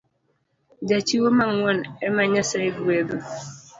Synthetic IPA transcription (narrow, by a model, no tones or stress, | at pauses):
d͡ʒat͡ʃiwomaŋwɔnɛmaɲasaiɡebo